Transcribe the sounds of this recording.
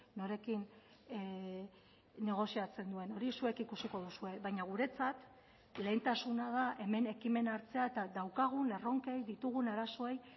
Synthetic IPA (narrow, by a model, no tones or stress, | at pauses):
no̞ɾe̞kin | e̞ɣ̞o̞siat͡se̞nd̪ue̞no̞ɾisue̞kikusiko̞ð̞usue̞βajɲaɣ̞uɾe̞t͡sat̪ | le̞ːnt̪asunaðaʔe̞me̞ne̞kime̞naɾt͡se̞ae̞t̪aðawkaɣ̞une̞ro̞ŋkejðit̪uɣunaɾaso̞e̞j